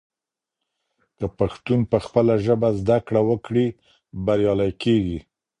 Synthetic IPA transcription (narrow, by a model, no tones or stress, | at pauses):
k̪əpaxt̪unpəxpəlaʒəbazd̪akɽawəkɽi | baɾjɑlajkeɡi